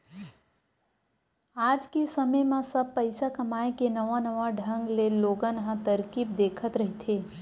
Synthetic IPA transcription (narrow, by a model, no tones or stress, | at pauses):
aːd͡ʒkesəməjmãsəb̚pəɪsakəmaekenəʋanəʋaɖʱə̃ŋɡleloɡənɦə̃t̪əɾkiːb̚d̪eːkʰət̪ɾəɦit̪ʰeː